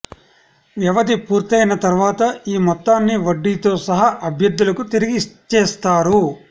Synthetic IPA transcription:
ʋjɐʋɐd̪ipuːɾt̪ɐjnɐt̪ɐɾʋaːt̪ɐiːmɔt̪ːaːnːiʋɐɖːiːt̪o̞ːsɐɦɐʔɐbʱjɐd̪ːulɐkut̪iɾiɡit͡ʃɛːst̪aːɾu

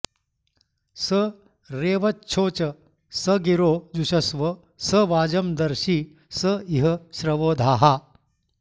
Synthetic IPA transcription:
sə | ɾeːʋɐtːɕʰoːt͡ɕə | səɡiɾoːd͡zuɕɐsʋə | səʋaːd͡ʑəmd̪ɐɾɕiː | səiɦəɕɾɐʋoːd̪ʱaːɦa

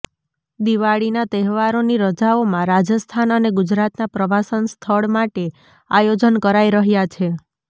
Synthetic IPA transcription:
d̪iʋaɭinat̪ɛɦʋaɾoniɾəd͡ʒaomãɾad͡ʒəst̪ʰanəneɡʊd͡ʒɾat̪napɾəbʱasənst̪ʰəɭmaʈe | ajod͡ʒənkəɾaiɾəɦjat͡ʃʰe

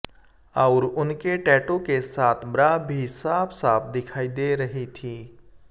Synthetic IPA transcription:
ɔːɾʊnkeʈɛːʈõkesaːt̪ʰbɾaːbʱisaːbʰsaːp̚ʰd̪ɪkʰaːid̪eɾɐɦit̪ʰiː

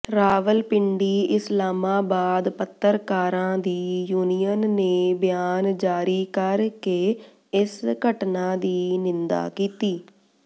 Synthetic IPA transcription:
ɾaːʋəlpɪɳɖiːɪslaːmaːbaːd̪pət̪ːəɾkaːɾãːd̪iːjuːnijənːeːbɪjaːnd͡ʒaːɾiːkəɾkeː | ɪsɡəʈnãːd̪iːnɪnd̪a̰ːkiːt̪iː

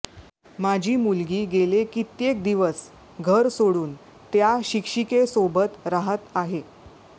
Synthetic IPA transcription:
mad͡ʑʱiːmulɡiːɡelekit̪jek̚d̪iʋəs | ɡʱəɾsoɽuːn | t̪jaɕikʂikesobət̪ɾaɦət̪aɦe

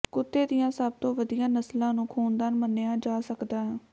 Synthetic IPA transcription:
kʊt̪ːeːd̪ijãːsəb̚t̪õːʋəd̪ijãːnəslãːnũːkʰuːnd̪aːnməneãːd͡ʒaːsəkd̪aːɦ

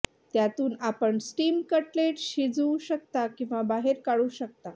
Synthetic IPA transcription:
t̪jat̪uːnapəɳsʈiːmkəʈleʈɕid͡zũɕək̚t̪akĩw̃ʋabaɦeɾkaɽuːɕək̚t̪a

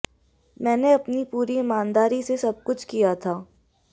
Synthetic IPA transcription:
mɛ̃ːneɐpnipuːɾiɪmaːnd̪aːɾisesɐb̚kʊt͡ʃʰkijat̪ʰaː

